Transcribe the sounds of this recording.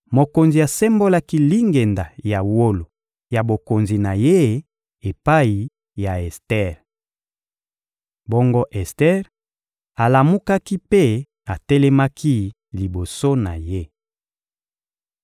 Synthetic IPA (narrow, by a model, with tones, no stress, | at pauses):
mo˨ko˨nzi˨a˨sɛ˦mbo˦la˦ki˦li˦ŋɡe˨nda˨ja˨wo˦lo˨ | ja˨bo˨ko˨nzi˨na˨je˦ | e˨pa˦i˨ | ja˨ɛ˨stɛ˦˨ʁ | bo˦ŋɡo˦ʔɛ˨stɛ˦ʁ | a˨la˨mu˦ka˦ki˦pe˦ | a˨tɛ˦lɛ˦ma˦kʰi˦ | li˨bo˨so˦na̰˨je˦